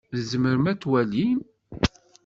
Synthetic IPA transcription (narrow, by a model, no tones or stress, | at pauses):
ðəzəməɾəmæt͡sːwælin